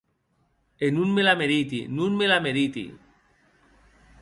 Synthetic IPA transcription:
enunmelameɾit̪ḭnunmelameɾit̪ḭ

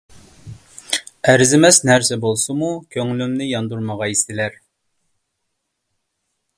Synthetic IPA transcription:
æɾzɪmɛsnæɾsɛbolˠsumukʲʰøŋlymnɪjɑnd̪uɾməʁɑist̪ɪlæɾ

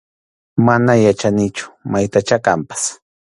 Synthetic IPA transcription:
manajat͡ʃanɪt͡ʃʊ̥majt̪at͡ʃakampḁs

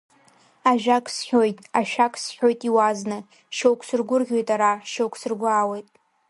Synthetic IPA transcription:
aʒᶣakʼsħʲojtʼaʃᶣakʰʼsħʲojtʼiwaznɨ | ʃowkʷʰsɨrɡʷʊrɡʲo̞jtʼaɾaʃowkʷʰsɨrɡʷaːwejtʼ

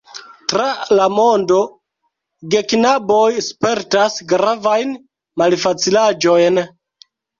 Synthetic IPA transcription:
tɾalamo̞ndo̞ | ɡe̞knabo̞jspe̞ɾtasɡɾavajn | malfat͡silad͡ʒo̞jn

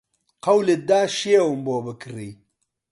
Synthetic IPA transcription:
qɐwled̪aːʃewumboːbɨkɨriː

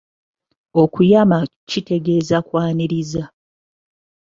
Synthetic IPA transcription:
o̞kujamacite̞ɡe̞ːzakwaːniɾiza

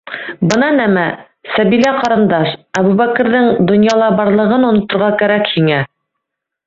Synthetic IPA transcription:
bɤnɑnæmæ | sæβilæqɑɾɤ̆nd̪ɑʃæβʉβækɘ̆ɾðɘŋd̪ŏnjɑlˠɑbɑɾlˠɤ̆ʁɤnŏnŏt̪ŏɾʁɑkæɾækhiŋæ

